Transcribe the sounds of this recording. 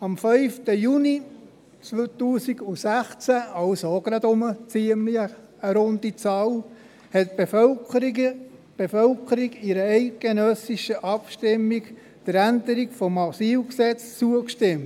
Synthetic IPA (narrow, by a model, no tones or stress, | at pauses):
ɑmfœʏftəjuni | t͡st̪uːsiɡusæχt͡sæɑʊsoɡ̥ɾɑd̪ʊmət͡siəmli | əɾond̪it͡sɑːl | hɛt̪̚be | b̥efœlkʰəɾiɡɪɾəɛɪt̚ɡ̥enœsiʃəʔɑpʃtɪmːik | d̥əɾænd̪əɾiɡfɔmɑsiːlksɛt͡st͡suəkʃtɪm